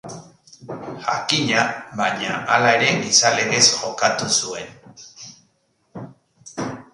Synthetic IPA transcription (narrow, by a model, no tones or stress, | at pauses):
xa̰kiɲaβaɲaalaeɾe̞ŋisale̞ɣe̞sxo̞kat̪usue̞n